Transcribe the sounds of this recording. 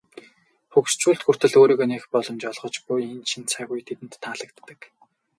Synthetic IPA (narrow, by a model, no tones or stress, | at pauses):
χukst͡ɕuːɬt̪xur̥t̪ɘ̆ɮoːɾiːɣonexpɔɮɞ̆mt͡ɕɔɮʁɞ̆t͡ɕɡujint͡ɕʰint̪t͡sʰæɣujt̪ʰet̪ɘ̆nt̪ʰːaɮə̆k̚t̪ːə̆k